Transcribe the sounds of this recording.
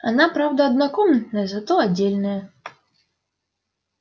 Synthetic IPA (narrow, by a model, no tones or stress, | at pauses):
a̰napɾawd̪ɐɐd̪nakɔmnt̪nɐjɐzat̪ɔadʲd͡zʲːelʲnɐjɐ